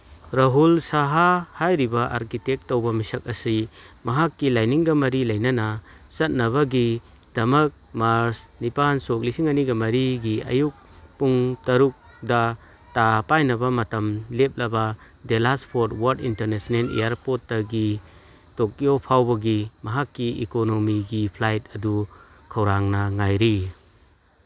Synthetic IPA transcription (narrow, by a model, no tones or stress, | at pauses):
ɾaɦulsaɦahajɾibaʔa̰ɾkitek̚tːowbɐmisɐk̚ɐsimɐɦakːilajniŋɡɐmɐɾilɐjnɐnasɐt̚nɐβaɡi | d̥ɐmɐk̚maɾsnipansok̚lisiŋɐniɡɐmɐɾiɡiɐ̰juk̚ | puŋtɐɾuk̚ | dɐ | tapajnɐbɐmɐtɐmlep̚lɐba | delaspʰoɾtwaɾtintɐɾnesnelḛjaɾpotːaɡi | tok̚jopʰawbɐɡimɐɦakːiḭkonomiɡipʰlajt̚ɐdu | kʰɐwɾaŋnɐŋajɾi